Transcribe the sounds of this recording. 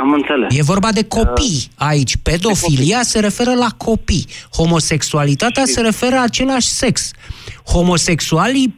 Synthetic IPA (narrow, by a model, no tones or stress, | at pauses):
amɨnt̪seleje̞vo̞rbad̪e̞ko̞pijait͡ʃʲpe̞d̪o̞filiase̞ɾe̞fe̞ɾəlakʰo̞pijho̞mo̞se̞ksualit̪at̪ease̞ɾe̞fe̞ɾəat͡ʃe̞laʃʲse̞ksho̞mo̞se̞ksuali